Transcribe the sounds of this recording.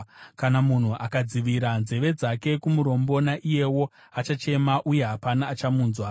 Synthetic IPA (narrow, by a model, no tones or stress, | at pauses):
kanamun̤uʔakad͡ziʋiɾanze̞ʋe̞d͡zake̞kumuɾo̞mbo̞naʔije̞wo̞ | at͡ʃat͡ʃe̞maʔuje̞ɦapanaːt͡ʃamuːnzwa